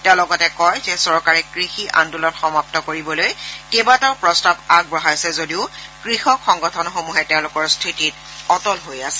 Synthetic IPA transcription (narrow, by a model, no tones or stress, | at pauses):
tɛʊ̃lɔɡɔtɛkɔjzɛsɔɹkaɹɛkɹixiʔa̰ndulɔtxɔmap̚tɔkoɹibɔlojkebataɹpɹɔstabaɡ̚bɹɔɦajsɛzodiʊkɹixɔkxɔŋɡɔtʰɔnɔxomuɦɛtɛʊ̃lʊkɔɹstʰɹitit | ɔtɔlɦojasɛ̥